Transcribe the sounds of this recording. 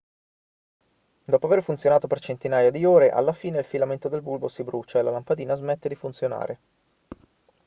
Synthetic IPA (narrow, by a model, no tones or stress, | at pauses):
d̪ɔːpoaverfunt̪sjonaːt̪opert͡ʃent̪inaːjad̪ioːɾeʔa̰lːafiːneilfilament̪od̪elbulbosibɾut͡ʃaelalampad̪iːnazmet̪ːed̪ifunt̪sjona̰ːɾʔe